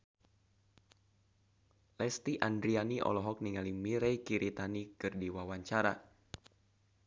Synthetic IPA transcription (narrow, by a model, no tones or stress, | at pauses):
lɛst̪iʔand̪ɾianiʔɔ̰lɔɦɔk̚niŋalimiɾɛjkiɾit̪anikɨrdiwawaɲt͡ʃaɾa